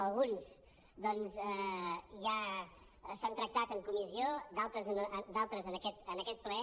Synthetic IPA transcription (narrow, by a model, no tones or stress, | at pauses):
əlˠɣuns | d̪ɔnzɛʒa | sant̪ɾək̚t̪at̪əŋkumiziod̪alˠt̪ɾəznəd̪alˠt̪ɾəzənəkɛt̪ənəkɛt̪̚kləɛ